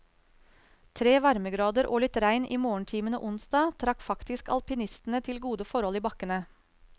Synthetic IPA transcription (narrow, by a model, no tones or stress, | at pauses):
t̪ʰɾeːʋɑɾməɡɾɑːd̪əɾʔoːlɪt̪ɾæɪnʔiːmoːəɳ̩ʈʰiːmənə̰ʔʊnsd̪ɑːt̪ʰɾɑkfɑkt̪ɪskɑ̰lpɪnɪst̪n̩ət̪ʰɪlɡuːd̪əfɔɾhɔliːbɑkənə